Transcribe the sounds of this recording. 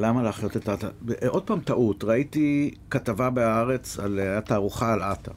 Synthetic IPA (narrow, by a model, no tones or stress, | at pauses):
lamaleaχjo̞tetata̰ʔo̞d̚paːmtaʔutʁaitikatavabeaaʁe̞t͡salajataːʁuχaːlata